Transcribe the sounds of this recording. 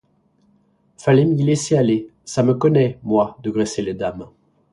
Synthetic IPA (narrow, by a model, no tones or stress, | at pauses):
falɛmilɛsealesaməkɔnɛmwad̪əɡʁeseled̪am